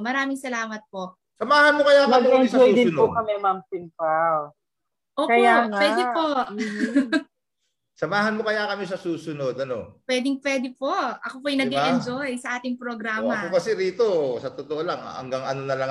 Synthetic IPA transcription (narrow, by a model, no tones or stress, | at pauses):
mɐɾaːmɪŋsɐlaːmɐt̪̚poʔ | sɐmaːhɐnmokɐjakɐmɪkɛnsɐojd̪ɪnʊokɐmɛmampɪnpaw | ʔoːopwɛd̪ɪpo | sɐmaːɦɐnmokɐjakɐmɛsɐsuːsʊno̞d̪ɐno̞pwɛd̪ɪŋpwɛd̪ɪpo̞ʔɐkop̬oʔɐjnɐɡɛʔɛnzojsɐʔaːt̪ɪŋpɾoɡɾaːmɐpokɐsɛɾiːt̪o̞sɐt̪ot̪oʔolɐŋ̰ɐ̰ŋɡaŋɐnonɐlɐŋ